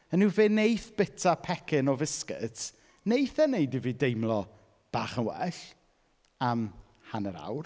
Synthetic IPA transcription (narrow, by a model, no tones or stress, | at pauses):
ənɪwveːnejθb̥ɪtʰapʰɛkʰɪnɔvɪskɪ̰t | nejθɛnejdiviːdejmlˠɔ | b̥aːχənwɛ̰ɬ | am | hanəɾa̰wr